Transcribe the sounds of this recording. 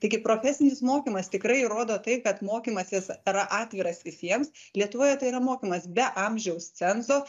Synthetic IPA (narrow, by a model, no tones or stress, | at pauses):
t̪ɐɪɡʲɪpɾoːfʲɛsʲɪnʲɪsmoːkʲiːmɐst̪ʲɪkɾɐɪɾoːd̪oːt̪ɐɪkɐt̪moːkʲiːmɐsʲɪsɾɐʔɑːt̪ʲʋʲɪɾɐsʋʲɪsʲiɛms | lʲiɛt̪ʊʋoːjɛt̪ɐɪiːɾɐmoːkʲiːmɐsbʲɛʔɐmʲʒʲɛʊst͡s̪ʲɛnzoː